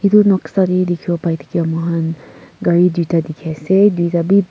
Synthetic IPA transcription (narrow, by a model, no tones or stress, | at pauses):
hit̪unɔksaɾidikʰiɔpajt̪ʰi̥kiamɔɦanɡaɹid̪itadikʰasedwitabi